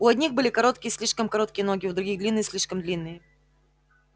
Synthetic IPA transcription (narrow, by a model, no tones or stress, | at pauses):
ʊɐd̪ʲnʲixbɨlʲɪkɐɾo̞t̪kʲɪjəsʲlʲiʂkəmkɐɾo̞t̪̚kʲɪjəno̞ɡʲɪʊd̪ɾʊɡʲiɣd̪lʲinːɨjəsʲlʲiʂkəmd̪lʲinːɨjə